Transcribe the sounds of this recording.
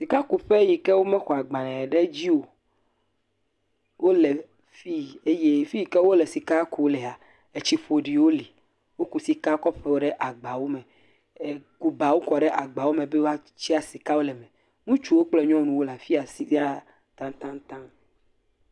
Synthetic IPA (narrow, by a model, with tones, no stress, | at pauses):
si˨ka˦ku˨ɸe˦ji˨kɛ˦wo˦mɛ̃˦xɔ˨a˨ɡ͡bã˨nɛ̃˨ɖe˦d͡ʑi˦wo˨ | wʔo˦le˨ | fi˦e˦je˦fi˦ji˨kɛ˦wo˦le˨si˨ka˦ku˨˦le˨a˨ | e˨t͡ɕi˦ɸo˨ɖi˨wo˦li˨ | wo˦ku˨si˨ka˦kɔ˦ɸe˦wo˦ɖe˦ʔa˨ɡ͡ba˨wo˦mẽ˨ | ku˨ba˨wo˦kɔ˨ɖe˦ʔa˨ɡ͡ba˨wo˦mẽ˨be˦wo˦a˦ | t͡ɕi˦a˨si˨ka˦wo˦lɛ˨mɛ̃˨ | ŋũ˦t͡ʃu˦wo˦k͡plɛ˦ɲɔ̃˦nũ˨wo˦la˨fi˦a˨si˦i˦a˦ | t̪ã˦t̪ã˦t̪ã˦